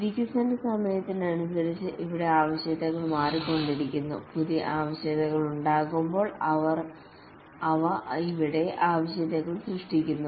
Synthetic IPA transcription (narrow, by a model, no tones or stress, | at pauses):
ðikʲːɐsɐndɐsɐmɐjɐt̪ːindeɐɳusɐɾit͡ɕːɨʔiʋiɽe̞aːʋɐɕjɐðɐɣɐɭmaːriko̞ɳɖiɾikʲːunːṵpuðiʔaːʋɐɕjɐðɐɣɐɭuɳɖaːɣumbo̞ːɭɐʋɐr | ɐʋɐiʋiɽe̞ʔaːʋɐɕjɐðɐɣɐɭsrɨʂʈikʲːunːu